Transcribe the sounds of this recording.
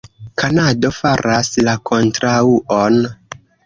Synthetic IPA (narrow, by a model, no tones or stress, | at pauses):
kʰanado̞faɾaslakʰo̞ntɾauʔon